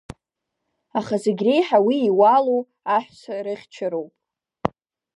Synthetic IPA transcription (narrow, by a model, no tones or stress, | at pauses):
aχazeɡʲre̞jħawiːwalow | aħʷᶣsarɨχʲt͡ʃʰɪɾowpʼ